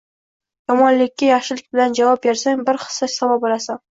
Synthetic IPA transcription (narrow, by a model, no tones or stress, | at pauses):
jɒmɒnlɪkʲːajɑχʃɪlɪk̚ʲbɪland͡ʒavɑp̚beɾsaŋbɪɾχɨ̥sasavapbɒlasam